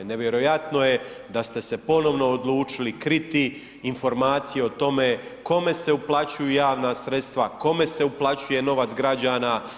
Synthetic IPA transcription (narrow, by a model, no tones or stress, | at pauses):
ne̞ʋjeɾo̞jat̪no̞je̞ | d̪ast̪e̞sepo̞no̞ʋno̞ːd̪lˠuːt͡ʃilikɾit̪iː | nfo̞ɾmaːt̪sijeot̪o̞meko̞me̞se̞uplˠat͡ɕujujaːʋnasɾet̪st̪ʋako̞me̞se̞uplˠat͡ɕuje̞no̞ʋat̪sɡɾad͡ʑaːna